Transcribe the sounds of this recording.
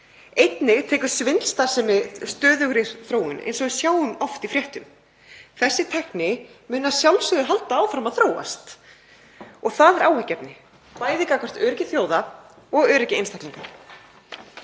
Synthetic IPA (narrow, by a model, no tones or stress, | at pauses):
ejt̪nɪt̪ʰɛːkʏɾ̥svɪnlst̪ḁsɛmɪst̪œːðʏɣɾɪɾθɾoːwɪnʔḛjnsɔɣʏ̥sjaːwʏmɔft̪ifɾjɛht̪ʏm | θɛsːɪt̪ʰɛhknɪmʏːnasjawlsʏɣðʏɾɦalt̪aaːwfɾamaðθɾoːwa̰st̪ | ɔɣθaðɛɾʔawhɛhcːɛpnɪ | paːjðikakʰɔr̥t̪œːɾɪcɪθjoːwða | ɔɣœːɾɪcɪḛjnst̪ajk̪liŋkaɾ